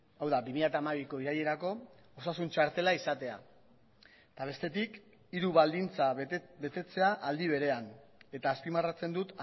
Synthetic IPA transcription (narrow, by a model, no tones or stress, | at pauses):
awðabimiʎat̪aːmaβiko̞iɾaje̞ɾako̞ | osasunt͡ʃaɾt̪e̞laisat̪e̞a̰ | t̪aβe̞st̪e̞t̪ik | iɾuβald̪int͡sabe̞t̪e̞t͡se̞aʔald̪iβ̞e̞ɾe̞ane̞t̪aːspimarat͡se̞nd̪ut̪